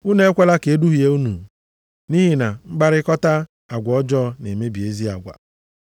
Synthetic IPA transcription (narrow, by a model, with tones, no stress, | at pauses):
u˦ne˦e˦kʷe˦la˦ke˨˦du˦ɦi˨e˦u˦nṵ˨ | ni˦ɦi˨na˨ŋ͡m̩˦ɡ͡ba˦ɾɪ˦kɔ˦ta˦ | a˨ɡʷɔ˨ɔ˦d͡ʒɔ˦ne˨me˦bi˨e˦zi˦a̰˨ɡʷa̰˨